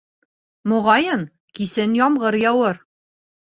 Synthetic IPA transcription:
mŏʁɑjɤn | kisɘnjɒmʁɤɾjɒwɤɾ

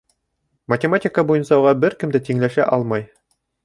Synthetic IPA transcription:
mɐtʲɪmatʲɪkəbujɤ̆nsɑuʁɑbɘɾkɘ̆md̪æt̪iŋlæʃæʔɑlˠmɑj

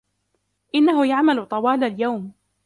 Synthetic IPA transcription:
ʔɪnːaɦʊjaʕmalʊt̪ˤɑwɑːlaljawm

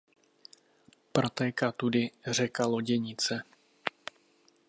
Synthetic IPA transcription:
pɾot̪ɛːkat̪udɪr̝ɛkaloɟɛɲɪt͡sɛ

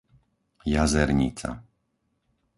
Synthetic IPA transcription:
jazɛɾɲḭt͡sa̰

